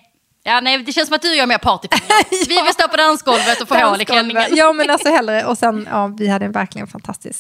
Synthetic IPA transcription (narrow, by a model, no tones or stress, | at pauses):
jɑːnæɪd̪ɛʃɛnsɔmat̪̚d̪ɵjœːɾmeːɾpʰɑʈɪpʰvɪvɪlst̪oːpɔd̪ansɡɔlvət̪ɔfoolɪkʰlɛnnɪjɑːmɛnalsɔhɛlːɾəʔɔsɛnɑːvɪhad̪ːəɛnvæɾklɪɡə̰nfa̰nt̪ʰast̪ɪ̰sk